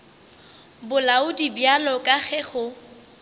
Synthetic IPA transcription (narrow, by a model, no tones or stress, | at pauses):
bʊlaʊdibjalɔkʼaɣɛχʊ